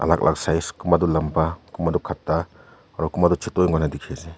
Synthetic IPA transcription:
ʔa̰la̰k̚lʔa̰ksajskumadɔlampakumadɔkʰatːa | aɾɔkumadɔt͡ʃʰitɔjŋɡɔnadikʰeze

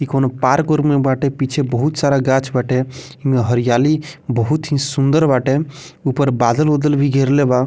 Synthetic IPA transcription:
kikonopaːɾkoɾmebaːʈepit͡ʃʰebəɦut̪saːɾaɡãːt͡ʃʰbaːʈe | imẽɦəɾijaːlibəɦut̪ɦĩsũnd̪əɾbaːʈe | uːpəɾbaːd̪əlod̪əlbʱiɡʱeːɾleba

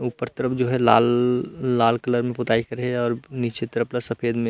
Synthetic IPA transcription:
upːəɾt̪əɾəpʰd͡ʒoːɦɛlaːlː | aːlkələɾmẽpʊt̪aːikəɾɦeɔːɾniːt͡ʃet̪əɾəplasəpʰeːd̪mẽ

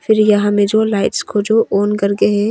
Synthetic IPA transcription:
fʰɪɾjɐɦãmẽd͡ʒoːlaːɪʈskod͡ʒoːʔoːnkɐɾɡeɦɛ̃

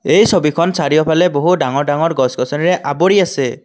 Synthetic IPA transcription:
ejsɔbikʰɔnsaɽibɔpʰaleboɦuɖaŋɔɾɖaŋɔɾɡɔskɔsɔniɾeʔabɔɽiase

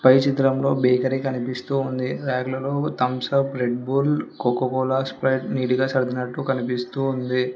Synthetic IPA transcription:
pɐjt͡ʃit̪ɾɐmlo̞ːbɛːkɐɾikɐnipist̪uːnd̪iɾɛːɡlɐlo̞ːt̪ɐmsɐpɾe̞ɖbuːlkokːokɔːlaːspɾɐjʈniːʈiɡaːsɐɾd̪inɐʈːukɐnipist̪uːnd̪i

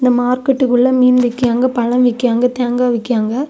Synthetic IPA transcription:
ɪnd̪ɐmaːɾkɐʈːɯkːɯɭːɐmiːnʋɪkːɪjaːŋɡɐpɐɻɐ̃mʋɪkːɪjaːŋɡɐt̪eːŋɡaːʋɪkːɪjaːŋɡɐ

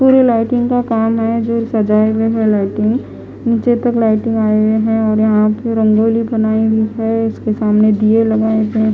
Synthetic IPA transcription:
puːɾelaɪʈɪ̃ŋɡkakaːmɦɛd͡ʒosɐd͡ʒaːeweɦɛlaːɪʈɪ̃ŋɡ | niːt͡ʃet̪ɐklaːɪʈɪ̃ŋɡaːeeɦɛ̃ɔːɾjɐɦãpeɾɐ̃ŋɡoːlibɐnaːibʱiɦɛɪskesaːmned̪ielɐɡaːebe

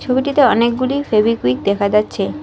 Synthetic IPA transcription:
t͡ɕʰobiʈit̪eɔnek̚ɡulifebikwik̚d̪ɛkʰad͡ʑatːɕʰe

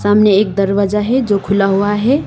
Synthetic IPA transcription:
saːmneeːk̚d̪əɾʋad͡ʒaɦɛd͡ʒokʰʊlaɦuaɦɛ

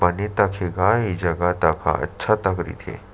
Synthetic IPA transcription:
bɐnet̪ɐkʰeɡaɦid͡ʒɐɡat̪akʰa̰ɐ̰tːʃʰat̪ɐkɾḭt̪ʰḛː

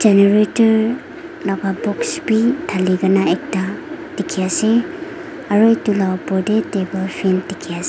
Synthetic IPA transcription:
d͡ʒeneɾetɐɾ | lababɔksbitʰaliɡanaek̚tatikʰːijase | aɾojtulawpɔdetebelpʰimtikʰːijase

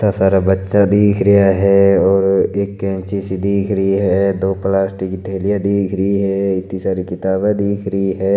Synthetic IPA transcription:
t̪asaːɾabətːʃad̪iːkʰɾəjaɦɛɔːɾeːkːɛ̃ːnt͡ʃisid̪iːkʰɾəiɦɛd̪oːplaːsʈikit̪ʰeːlijad̪iːkʰɾəiɦɛɪt̪isaːɾikɪt̪aːbẽd̪iːkʰɾəɦiɦɛː

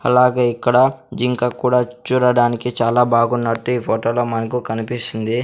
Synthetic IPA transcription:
ɐlaːɡeːikːɐɽɐd͡ʒiŋkakuːɽaːt͡ʃuːɽɐɽaːnikit͡ʃaːlaːbaːɡunːɐʈːuiːpʰoːʈoːloːmɐnɐkukɐnipist̪ind̪i

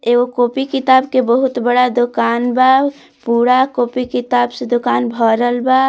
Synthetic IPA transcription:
eɡokoːpikit̪aːbkebəɦut̪bəɽad̪ʊkaːnba | puːɽakoːpikit̪aːbsed̪ʊkaːnbʱəɾəlba

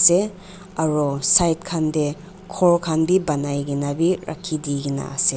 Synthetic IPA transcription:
se | aɾɔsajt̚kʰande | kʰɔɾkʰanbibanajɡinabiɾa̰kʰːidiɡina̰ase

